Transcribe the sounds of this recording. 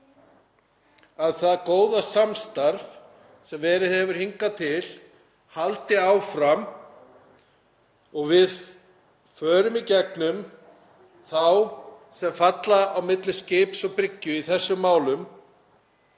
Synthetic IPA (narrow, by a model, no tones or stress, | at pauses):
aðθaðkoːwðasamst̪aɾv | sɛmvɛːɾɪðhɛvʏɾ̥hiŋkat̪ʰɪl | halt̪ɪaːwfɾam | ɔɣvɪð | fœːɾʏmicɛk̚nʏm | θawsɛmfat̪laawmɪt̪lɪscɪːpsɔɣpɾɪcːʏiθɛsːʏmːaːwlʏm